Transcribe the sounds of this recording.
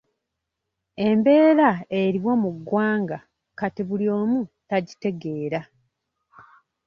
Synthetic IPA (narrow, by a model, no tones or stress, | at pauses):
e̞mbe̞ːɾae̞ɾiβwo̞muɡwaːŋɡa | katiβuljo̞ːmutaɟite̞ɡe̞ːɾa